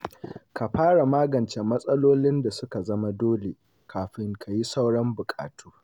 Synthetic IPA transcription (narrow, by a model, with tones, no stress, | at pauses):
ka˨ɸaː˦ɽa˨maː˦ɡɐ˨nt͡ʃe˨mɐ˦sʼɐ˦loː˦lɪ˦nda˨sʊ˦ka˨zɐ˦ma˦doː˦le˨ | kʰaː˨ɸɪ˦ŋkʰa˨ji˦sa˦wɽɐ˦mbʊ˨kʼa̰ː˨tʰuː˦